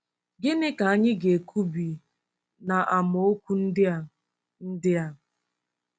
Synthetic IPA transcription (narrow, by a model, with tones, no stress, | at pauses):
ɡɪ˦nɪ˦ka˨a˦ɲɪ˦ɡe˨kʰu˦bi˨ | na˨ʔa˨mo˨o˦kʷu˦n̩˦dɪ˦˨ | n̩˦dɪ˦a˨m̩˨